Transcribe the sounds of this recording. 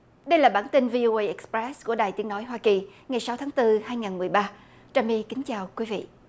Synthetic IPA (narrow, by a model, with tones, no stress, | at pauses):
ɗə˧jlaː˨˩ɓaː˧˩nt̪i˧nvi˧ʔo˧ʔə˧jʔɛ˨˥k̚spɹɛ˦˥sku˧˩əɗaː˨˩jt̪i˨˦əŋno˨˦jɦwaː˧ki˨˩ŋa˨˩jsa˨˦wt̪ʰːŋt̪ɨ˧haː˧jŋaː˨˩nmɨ˨˩əjɓaː˧ | t͡ɕaː˧mi˧kï˨˦ŋ̟t͡ɕaː˨˩wkwi˨˦vḭ˧˨ʔ